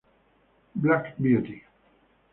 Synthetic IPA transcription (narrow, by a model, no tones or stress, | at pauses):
blakbjuti